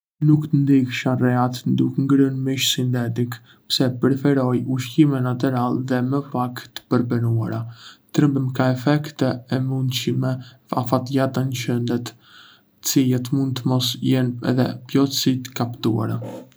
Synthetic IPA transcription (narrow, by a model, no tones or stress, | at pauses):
nukt̪ənd̪ikʃarɛat̪nd̪ukŋɡɾənmiʃsint̪ɛt̪ik | psɛpɾɛfɛɾɔjuʃkimɛnat̪̬ɛɾalðɛməpakt̪ə̥pəɾbənua̰ɾat̪ɾəmbəmkaɛfɛkt̪ɛɛmund̪ʃimɛ | a̰fat̪jat̪ənʃənd̪ɛt̪ | t͡sijɛt̪mund̪̚t̪əmɔsjɛnɛ̰ðɛ̰pjɔsit̪ə̥kapt̪ua̰ɾa